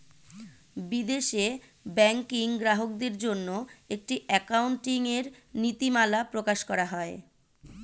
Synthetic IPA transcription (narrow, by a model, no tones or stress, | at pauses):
bid̪eʃe | bɛŋkiŋɡɾaɦok̚d̪eɾd͡ʑonːoek̚ʈiʔɛkawɳʈiŋeɾnit̪imalapɾokaʃkɔɾaɦɔe